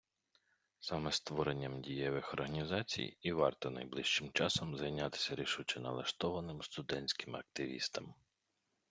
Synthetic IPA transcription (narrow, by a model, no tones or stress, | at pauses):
sɑmɛst̪ʋɔɾenʲːɐmdʲijɛʋɪxɔrɦɐnʲizɑt͡sʲḭjiʋɑ̰rt̪ɔnɐ̰jblˠiʃt͡ʃɪmt͡ʃɑsɔmzɐjnʲat̪ɪ̥sʲɐɾʲiʃut͡ʃɪnɐ̰lˠɐʃt̪ɔʋɐnɪmst̪ʊd̪ɛnʲsʲkɪmɐ̰k̚t̪ɪʋʲḭst̪ɐm